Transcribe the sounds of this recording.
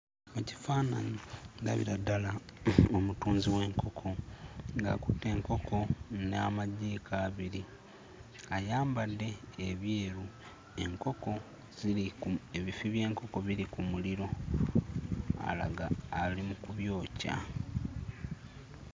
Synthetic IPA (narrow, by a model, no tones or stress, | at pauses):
muci̥faːna̰ɲida̰βḭɾadalaomutuːnziwe̞ːŋkʰo̞kʰo̞ŋɡa̰ku̥tːe̞ːŋko̞kʰo̞namaɟiːkʰaːβiɾi | ajaːmbadːe̞ːβjeːɾu | e̞ŋko̞ko̞ | z̥iieβifiβje̞ːŋko̞ko̞βiɾikumuliɾo̞ | a̰la̰ɡaːlimukuβjo̞ːca̰